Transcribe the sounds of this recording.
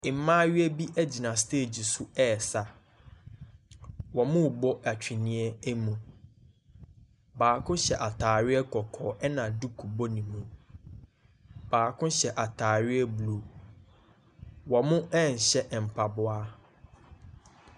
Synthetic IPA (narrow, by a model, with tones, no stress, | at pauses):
ɪ˨m̩˦mãː˦ɥɪ˦ɛ˦bi˦ʔɛ˦d͡ʑi˨nã˨stʰeː˦˨d͡ʑi˨sʊ˦ɛː˦˨sa˨ | wɔ˨mʊ̃˦˨bɔ˦ʔa˨t͡ɕᶣi˨nĩ˦ɛ˦æ˦mũ˨ | baː˨kʰʊ̃˦ɕɛ˨ʔa˨tʰaː˨ɥɪ˦ɛ˦kʰɔ˨kʰɔː˨ʔɛ˦nã˨du˦kʰu˨bo˦nĩ˨mũ˦˨ | b̥aː˨kʰʊ̃˦ɕɛ˨ʔa˨tʰaː˨ɥɪ˦ɛ˦bu˨lu˨ | wɔ˨mʊ̃˦ʔɛ̃˦˨n̩˨ɕɛ˦ʔm̩˨pʰa˨bʊ˦a˦